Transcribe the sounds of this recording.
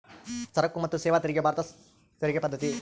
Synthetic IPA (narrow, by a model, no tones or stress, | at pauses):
sɐɾɐkːumɐt̪ːusɛːʋaːt̪iɾiɡijɐbʱaːɾɐt̪ɐ | t̪iɾiɡepɐd̪ːɐt̪i